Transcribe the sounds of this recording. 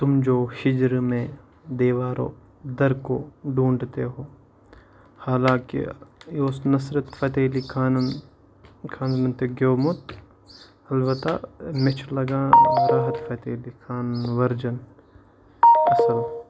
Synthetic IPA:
t̪ʊmd͡ʒoːʃɪd͡ʒɾmẽ | d̪eːʋaːɾo̰ː | d̪ɐɾkoːɖũːɳɖt̪eɦoː | haːlãːkḭjoːsnɐsɾɐt̪fɐt̪eːlikʰaːnɐn | kʰaːnnɐnt̪eɡoːmʊt̪ | ɐlbɐt̪a̰met͡ʃʰlɐɡãːɾaːɦɐt̪fɐt̪eːlikʰaːnɐnʋɐɾd͡ʒɐn | ɐsɐl

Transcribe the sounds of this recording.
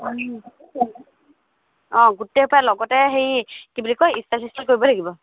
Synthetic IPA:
ɔ̃ɡuteupalɔɡɔtɛxejkibulikojistatʰistikkːoɹibɔlaɡibɔ

